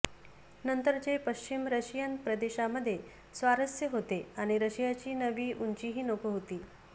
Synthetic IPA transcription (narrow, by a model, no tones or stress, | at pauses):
nənt̪əɾd͡ʑepəɕt͡ɕimɾəɕijənpɾəd̪eɕaməd̪ʱːje | sʋaɾəsjəɦot̪eaɽ̃iɾəɕijat͡ɕiːnəʋiːʔuɲt͡ɕiːɦiːnokəɦot̪iː